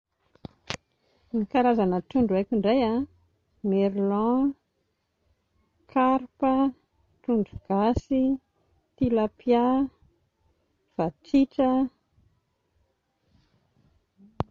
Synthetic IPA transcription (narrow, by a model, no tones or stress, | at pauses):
nikaɾazanəʈ͡ʂuɳɖ͡ʐuajkʲiɳɖ͡ʐaja | meɾlɑ̃ | kʰaɾpə | ʈ͡ʂuɳɖ͡ʐuɡ̥asi | t̪ilapja | v̥at͡siʈ͡ʂə